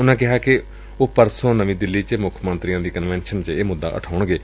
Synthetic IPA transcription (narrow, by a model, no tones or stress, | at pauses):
ʊnãːkɪɦaːkɪ | oːpəɾsõːnəʋĩːd̪ɪlːiːt͡ʃəmʊkʰmənt̪ɾijãːd̪iːkənʋɛːnʃənt͡ʃəeːmʊd̪ːa̰ːʔə̰ʈʰaːʊɳɡeː